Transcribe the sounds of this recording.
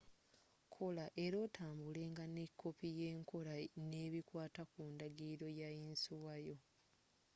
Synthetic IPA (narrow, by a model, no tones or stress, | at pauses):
kʰo̞laʔe̞ɾo̞ːtʰaːmbule̞ːŋɡanekʰːo̞pije̞ːŋkʰo̞lane̞ːβikwaːtakuːndaɡiɾo̞jainsuwajo̞